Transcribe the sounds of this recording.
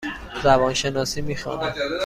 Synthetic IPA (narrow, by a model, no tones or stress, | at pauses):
zæbɒːnʃenɒːsiːmiːxɒ̰ːnæ̥